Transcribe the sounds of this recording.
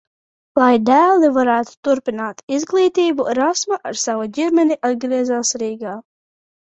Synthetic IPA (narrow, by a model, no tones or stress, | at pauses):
lˠajd̪æːlˠivaɾæːt̪u̥t̪uɾpinaːt̪izɡlˠiːt̪iːbuɾasmaʔaɾsavaɟʲiɾmɛniʔad̪̚ɡɾiɛzaːsɾiːɡaː